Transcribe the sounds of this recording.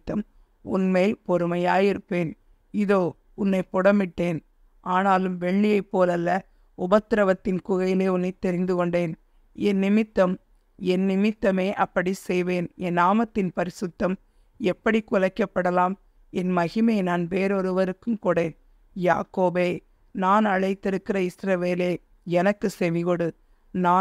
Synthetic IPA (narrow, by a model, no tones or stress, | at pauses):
t̪ːɐm | ʊ̰nmeːlpɔɾɯmɐjaːjɪɾɯpːeːn | ɪðoː | ʊnːɐɪpːɔɽɐmːɪʈːeːn | ʔaːnaːlɯmʋɛɭːɪjɐɪpːoːlɐlːɐ | ʊbɐt̪ːɪɾɐʋɐt̪ːɪnkʊɣɐjɪleːʊnːɐɪt̪ːɛɾɪnd̪ɯkɔɳɖeːn | ɛnːɪmɪt̪ːɐm | ɛnːɪmɪt̪ːɐmeːʔɐpːɐɽisɛjʋeːnɛnːaːmɐt̪ːɪnpɐɾɪsɯt̪ːɐm | ɛpːɐɽikʊɻɐɪkːɐpːɐɽɐlaːm | ɛnmɐɣɪmɐjnaːnʋeːɾɔɾɯʋɐɾɯkːɯmkuːɽeːn | ja̰ːkoːbeː | naːnɐɻɐɪt̪ːɪɾɯkːɪɾɐɪsɾɐʋeːleː | ɛnɐkːɯsɛʋɪɣɔɽɯ | naː